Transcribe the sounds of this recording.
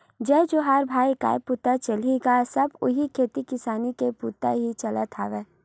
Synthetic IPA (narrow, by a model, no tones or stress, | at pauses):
d͡ʒɛːd͡ʒoɦaɾbʱaːika̰ːepuːt̪at͡ʃɐliɡasɐbʊ̰ɦikʰeːt̪ikɪsaːnikepuːt̪a̰ɦit͡ʃɐla̰t̪ʰa̰ːʋeː